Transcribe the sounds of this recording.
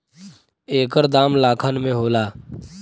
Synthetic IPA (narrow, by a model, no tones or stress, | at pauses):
eːkəɾd̪aːmlaːkʰənmẽɦoːlaː